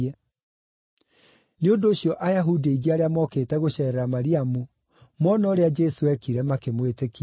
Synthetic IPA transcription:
ɛ | neondoːɕijɔʔajaɦudieiɣiaɾeamɔkeːtɛɣoɕɛːɾɛɾamaɾiamu | mwɔnɔːɾead͡ʒɛsoɛkiɾɛmakemweteki

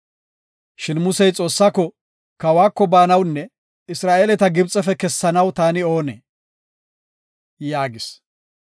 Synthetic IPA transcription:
ʃɪnmʊsɛjt͡sʼo̞ːsːaːkːɔ | kɐwaːkːɔbaːnɐwnːɛ | ɪsɾaːʔeːlɛt̪ɐɡɪbt͡sʼɛfɛkɛsːɐnɐwt̪aːnɪo̞ːnḛː | jaːɡɪs

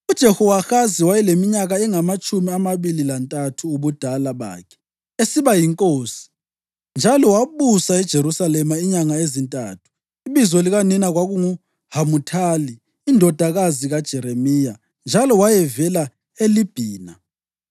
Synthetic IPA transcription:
ud̥ʒ̥ʱɛhɔwaxaziwajɛlemiɲaɣaɛŋamat͡ʃʼumiamaβililantʼatʰuːβud̥ʱalaβa̰ːkʰɛ̥ | esiβajiŋkʼoːsi̥ | nd͡ʒʱalɔwaβusaɛd̥ʒ̥ʱeɾusalɛmaiɲaŋaezintʼa̰ːtʰu̥ | iβizɔliɣaninaɣwaɣuŋu | hamutʰaːliː | ndʱɔd̥ʱaɣaziɣad̥ʒ̥ʱɛɾemija | nd͡ʒʱalɔwajɛvɛla | elib̥ʱiːna

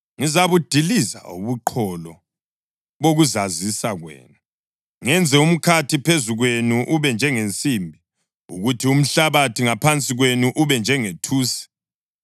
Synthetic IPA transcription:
ŋizaβud̥ʱiliza̰ṵβuǃʰɔlɔ | βoɣuzazisaɣwḛːnu | ŋɛnd͡zʱɛum̩kʰatʰipʰezuɣwenuʔuβɛnd͡ʒʱɛŋent͡sʼimbʱi | ṵɣutʰium̩ɬaβatʰiŋapʰant͡sʼiɣwenuʔuβɛnd͡ʒʱɛŋetʰuːsɛ̥

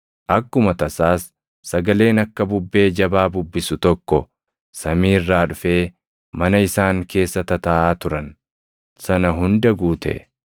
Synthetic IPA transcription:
ʔɐkːʊmɐt̪ɐsaːsː | ɐɡɐle̞ːnɐkːɐbʊbːe̞ːd͡ʒɐbaːbʊbːɪsʊt̪ɔkːɔ | sɐmiːrːaːᶑʊfe̞ː | mɐnɐɪsaːŋke̞ːsːɐt̪ɐt̪ɐːʔaːt̪ʊɾɐn | sɐnɐɦʊnd̪ɐɡuːt̪ɛ̰

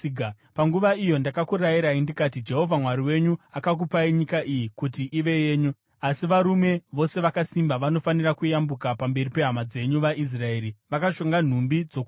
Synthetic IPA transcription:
paŋɡuʋaijo̞ndakakuɾajiɾaindikatid͡ʒe̞ɦo̞vʱamwaɾiwe̞ɲuakak̬upaiɲikaʔijikutiʔiʋe̞je̞ːɲu | asiʋaɾume̞ʋo̞se̞ʋakasimbaʋano̞fanirakujambukapambe̞ripe̞ɦamad͡ze̞ɲuʋaʔis̬rae̞ːɾiʋakaʃo̞ŋɡan̤umbid͡zo̞k

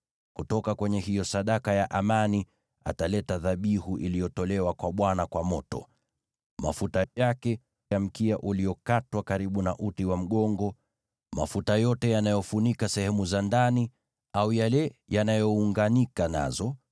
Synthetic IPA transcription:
kutɔkakwɛɲɛhijɔsaɗakajaʔamani | a̰talɛtaðaɓihuʔilijɔtɔlɛwakwaɓwanakwamɔtɔ̰ | ma̰futajakɛ | jam̩kiaʔulijɔkatwakaɾiɓunaʔutiwam̩ɠɔŋɡɔ | ma̰futajɔtɛjanajɔfunikasɛhɛmuzandani | aujalɛjanajɔuŋɡanikana̰zɔ

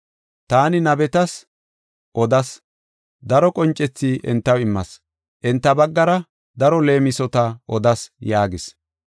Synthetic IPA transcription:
t̪aːnɪnɐbɛt̪ɐs | ʔɔd̪ɐs | d̪ɐɾɔkʼɔnt͡ʃʼːɛt͡sːiːʔɛ̰nt̪ːɐwɪmːɐs | ʔɛnt̪ːɐbɐɡːɐɾɐ | d̪ɐɾɔle̞ːmɪsɔt̪ɐʔɔd̪ɐsjaːɡɪs

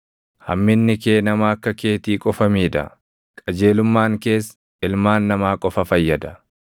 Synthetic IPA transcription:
hɐ̰mːɪnːɪkeːnɐmaːkːɐke̞ːt̪iːkʼɔfɐmiːd̪ɐ̰ | kʼɐd͡ʒe̞ːlʊmːaːŋke̞ːs | ɪlmaːnːɐmaːkʼɔfɐfɐjːɐd̪ɐ

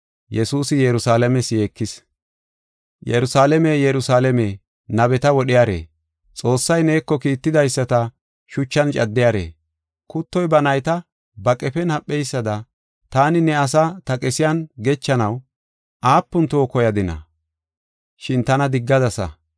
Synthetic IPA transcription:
jɛsuːsɪjɛɾʊsaːlɛmɛsjeːkːɪs | jɛɾʊsaːlɛmejɛɾʊsaːlɛmeː | nɐbɛt̪ɐwɔɗɪjaːɾḛː | t͡sʼo̞ːsːɐjne̞ːkːɔkiːt̪ːɪd̪ɐjsːɐt̪ɐ | ʃʊt͡ʃːɐnt͡ʃʼɐd̪ːɪjaːɾḛː | kʊt̪ːɔjbɐnɐjt̪ɐ | bɐkʼɛfɛnhɐpʼːɛjsːɐd̪ɐ | t̪aːnɪnɛɐsat̪ɐkʼɛsɪjɐnɡɛt͡ʃːɐnɐw | ʔaːpːʊnt̪oːkɔjɐd̪ɪnɐ̰ | ʃɪnt̪ɐnɐd̪ɪɡːɐd̪ɐsɐ̰

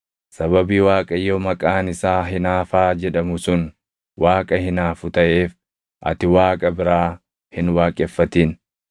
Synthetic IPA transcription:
sɐβɐbiːwaːkʼɐjːɔmɐkʼaːnɪsaːɦɪnaːfaːd͡ʒɛᶑɐmʊsʊn | waːkʼɐhɪnaːfʊt̪ɐʔeːf | ʔɐ̰t̪ɪwaːkʼɐbɪɾaː | hɪnwaːkʼɛfːɐt̪iːn

